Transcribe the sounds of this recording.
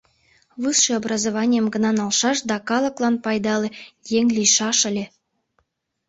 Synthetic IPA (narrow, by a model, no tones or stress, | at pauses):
βɨsʃĕobrɑzoβɑnʲijəmɡənɑnɑlʃɑʃd̪ɑkɑləklɑnpɑjd̪ɑlĕjeŋlijʃɑʃə̆lʲe